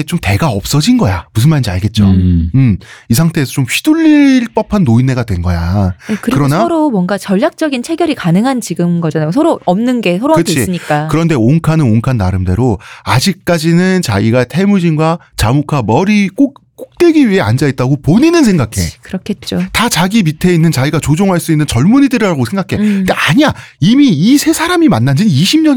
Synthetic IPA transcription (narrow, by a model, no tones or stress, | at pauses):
t͡ɕomte̞ɡaʌp̚s͈ʌd͡ʑinɡʌjamusʰɯnmanind͡ʑaɭɡe̞t̚t͡ɕ͈oɯmisʰaŋtʰe̞ːsʰʌt͡ɕomɸiduʎːiɭp͈ʌpʰanːoinːeɡadwe̞nɡʌjakɯɾikɯɾʌnaoɾomwʌŋɡat͡ɕʌʎːjak̚t͡ɕ͈ʌɡint͡ɕʰe̞ɡʲjʌɾikanɯŋɦant͡ɕiɡɯmɡʌd͡ʑanajosʰʌɾoʌmnɯnɡe̞sʰʌɾoakɯiɯɲik͈akɯɾʌnde̞oŋkʰanɯnoŋkʰanːaɾɯmde̞ɾoad͡ʑik̚k͈ad͡ʑinɯnt͡ɕa̰ɡiɡatʰe̞mud͡ʑinɡwat͡ɕamokʰamʌɾik͈ok̚k͈ok̚t͈we̞ɡiɥiɦe̞a̰nd͡ʑait̚t͈aɡopoɲinɯns̬ʰe̞ŋɡakʰe̞kɯɾʌkʰe̞t̚t͡ɕ͈otat͡ɕaɡimitʰe̞inːɯnt͡ɕaiɡat͡ɕod͡ʑoŋɦaɭs͈uinːɯnt͡ɕʌɭmuɲidɯɾɾaɡosʰe̞ŋɡakʰe̞deaɲia | imiːsʰe̞sʰaɾamimanːand͡ʑiniɕʰimɲʌn